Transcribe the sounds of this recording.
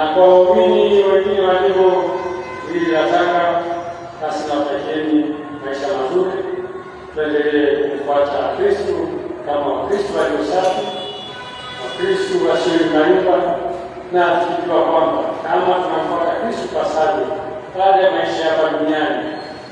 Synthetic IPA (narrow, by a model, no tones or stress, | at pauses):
abaɔminiwɛŋɡinɛwaliɦɔ | wiiɾataka | kasinapɛkɛni | maiʃamazuɾi | tuɛndɛlɛɛkufatakɾistukamakɾistualiɔsafi | nakɾistuaʃiɾimaiba | natikikiwakwambakamakunakfatakɾistukasaɗi | palɛjamaiʃajapaɗuniani